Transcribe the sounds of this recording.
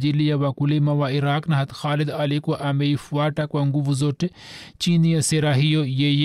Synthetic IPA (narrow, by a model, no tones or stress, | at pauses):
d͡ʒilijɐʋakulemɐʋaiɾaːknɐɦɐt̪xaːlid̪ɐlikuʔameifwaːʈɐkʋɐŋɡuʋuzoʈt͡ʃiːnijɐseɾaːɦijojej